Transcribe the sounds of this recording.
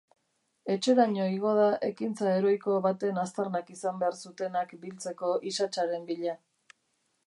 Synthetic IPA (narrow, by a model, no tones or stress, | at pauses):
e̞t͡ʃe̞ɾaɲo̞iɣo̞ð̞aʔe̞kint͡sae̞ɾo̞jko̞βat̪e̞nast̪aɾnakisambe̞aɾsut̪e̞nakbilt͡se̞ko̞ʔisat͡ʃaɾe̞mbiʎa